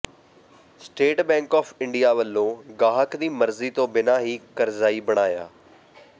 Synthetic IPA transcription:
sʈeːʈbɛ̃ːŋkɔːpʰɪɳɖijaːʋəlːõːɡaːɦəkd̪iːməɾziːt̪õːbɪnaːɦiːkəɾzaːiːbəɽ̃aːja̰ː

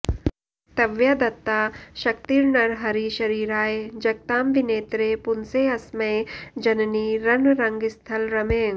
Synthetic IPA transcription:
t̪ɐʋjad̪ɐt̪ːaːʃɐk̚t̪iːɾnɐɾɦɐɾiʃɐɾiːɾaːed͡ʒɐk̚t̪aːmʋineːt̪ɾepʊnseːɐsmɐjd͡ʒɐnniɾɐnɾɐ̃ŋɡɪst̪ʰɐlɾɐmeːŋ

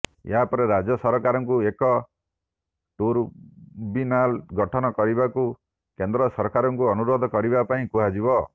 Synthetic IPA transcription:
ḛɦapɔɾeɾad͡ʒɔsɔɾɔkaɾɔŋkuekɔ | ʈuɾbinalɡɔʈʰɔnɔkɔɾibaku | kend̪ɾɔsɔɾɔkaɾɔŋkuɔnuɾod̪ʱɔkɔɾibapaĩkuɦad͡ʒibɔ

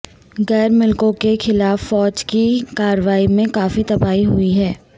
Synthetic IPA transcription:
ɣɛːɾmɪlkõkexɪlaːfːɔːd͡ʒkikaːɾəʋaːimẽkaːfit̪ɐbaːiɦʊiɦɛː

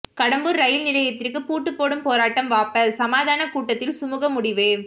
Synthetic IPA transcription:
kɐɽɐmbɯɾɾɐjɪlnɪlɐjɐt̪ːɪrkɯpuːʈːɯpːoːɽɯmpoːɾaːʈːɐmʋaːpːɐsɐmaːðaːnɐkuːʈːɐt̪ːɪlsʊmuːɣɐmːʊɽɪʋɯ

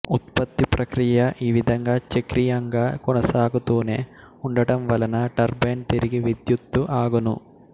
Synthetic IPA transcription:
ut̪pɐt̪ːipɾʔɐkɾijɐʔiːʋid̪ʱɐŋɡaːt͡ʃɐkɾijaŋɡaːkɔnɐsaːɡut̪uːneː | uɳɖɐʈɐmʋɐlɐnɐʈɐɾbeːnt̪iɾiɡiʋid̪jut̪ːuʔaːɡɐnṵ

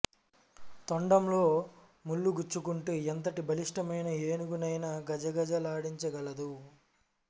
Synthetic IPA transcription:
t̪oɳɖɐmlo̞ː | mulːuɡut͡ʃːukuɳʈeːent̪ɐʈibʱɐliʂʈɐmɐjnɐeːnuɡunɐjnɐɡɐd͡ʒɐɡɐd͡ʒɐlaːɽiɲt͡ʃɐɡɐlɐd̪u

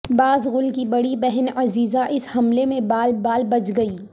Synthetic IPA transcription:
baːzɣʊlkibɐɽibɛɦɛnɐziːzaʔɪshɐmlemẽbaːlbaːlbɐt͡ʃɡɐiː

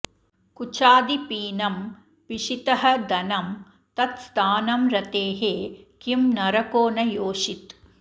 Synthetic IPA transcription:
kut͡ʃaːd̪ipiːnɐm | ʋiʂit̪ɐɦɐd̪ɐnɐm | t̪ɐt̪st̪ʰaːnɐmɾɐt̪eːɦeːkimnɐɾɐkoːnɐjoːʂit̪

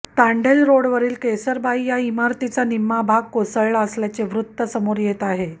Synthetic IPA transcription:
t̪aɳɖelɾoɽʋəɾiːlkesəɾbaijaimaɾt̪it͡sanimːabʱaɡ̚kosəɭəsljat͡seʋɾut̪ːəsəmoɾjet̪aɦe

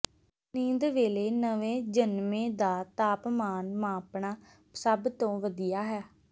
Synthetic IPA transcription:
nĩːnd̪ʋeːleːnəʋẽːd͡ʒənmẽːd̪aːt̪aːpmaːnmaːpnaː | səbt̪õːʋəd̪ijaːɦɛː

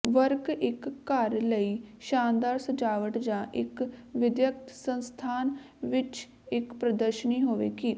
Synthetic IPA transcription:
ʋəɾkɪkːəɾləiːʃaːnd̪aːɾsəd͡ʒaːʋəʈd͡ʒãːʔɪkʋɪd̪jək̚t̪sə̃nst̪ʰaːn | ʋɪt͡ʃ | ɪkpɾəd̪əɾʃəniːɦoːʋḛːkiː

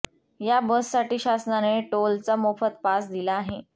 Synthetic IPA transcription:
jabəsːaʈiːɕasnaneʈolt͡səmofət̪̚pasd̪ilaːɦe

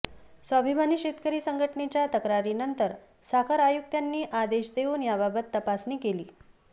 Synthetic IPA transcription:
səbʱibʱaniːɕet̪kəɾiːsəŋɡʱəʈəɳet͡ɕjat̪əkɾaɾiːnənt̪əɾ | sakʰəɾajuk̚t̪janːiːʔad̪eʃd̪eunjababət̪ːəpasniːkeliː

